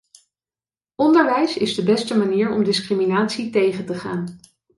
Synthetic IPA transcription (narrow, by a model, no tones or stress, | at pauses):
ʔɔndəɹʋɛjsɪzdəbɛstəmaniːɹɔmdɪskriminaːtsitejχəntəχaːn